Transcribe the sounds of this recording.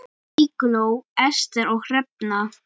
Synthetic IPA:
iklowɛst̪ɛɾɔwhrɛp̚na

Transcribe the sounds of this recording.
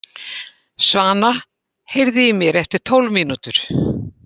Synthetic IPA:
svaːna | hejɾðɪjɪmjɛɾɛft̪ɪ̥t̪ʰowlvmiːnut̪ʏɾ̥

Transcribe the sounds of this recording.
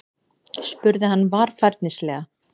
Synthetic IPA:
spʏɾðɪhanːvaɾ̥faɾt̪nɪslɛːɣa

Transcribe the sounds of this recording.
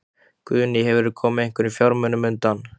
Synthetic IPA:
kvʏːnɪhɛvɾʏɾkʰɔːmɪðejŋ̥kʏɾifjɔɾmœnʏmʏnt̪an

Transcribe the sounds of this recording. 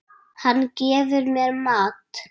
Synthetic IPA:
hanːcɛːvʏɾmɛɾmaːt̪

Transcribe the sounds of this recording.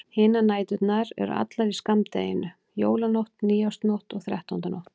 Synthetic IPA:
hɪːnanaːjt̪ʏt̪naɾɛ̰ɾ̰a̰t̪laɾiskamt̪ḛːjɪnʏ | joːwlanowht̪niːjawst̪nɔwht̪ɔɣθɾjɛht̪aunt̪anowht̪

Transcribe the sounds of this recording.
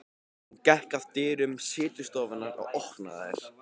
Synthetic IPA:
cɛhkaðt̪ɪːɾʏmsɪːt̪ʏ̥st̪ɔːvanːaɾa̰wɔhkna̰ðɪ̰ɾ̥

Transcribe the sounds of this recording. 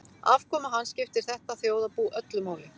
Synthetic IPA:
avkʰɔːmaɦanːscɪft̪ɪɾ̥θɛht̪aθjoːwðapuːʔœt̪lʏmaːwlɪ

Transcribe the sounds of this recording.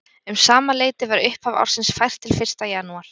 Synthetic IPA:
ʏmsaːmaleːjt̪ɪvaɾʏhpava̰wɾ̥sɪnsfajr̥t̪ʰːɪlfɪr̥st̪ajaːnuaɾ̥

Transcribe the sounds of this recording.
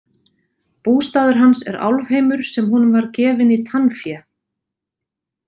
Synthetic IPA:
puːst̪aːðʏɾ̥ɦansɛ̰ɾa̰wlvheːjmʏɾ̥sɛmɦunʏmvaɾcɛːvɪnit̪ʰanfja

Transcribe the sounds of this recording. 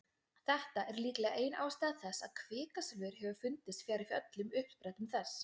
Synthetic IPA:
θɛht̪aʔɛɾliːklɛːɣaʔeːjnʔa̰ːwst̪aːðθɛsːa̰ðkʰvɪːkaslʏːɾ̥hɦɛvʏfʏnt̪ɪst̪fjaːɾɪfœt̪lʏmʏhppɾajt̪ʏmθɛs

